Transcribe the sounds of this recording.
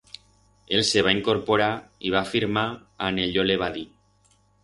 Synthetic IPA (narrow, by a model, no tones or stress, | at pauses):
elseβ̞aiŋkoɾpoɾaiβafiɾma | a̰neʎoleβ̞aði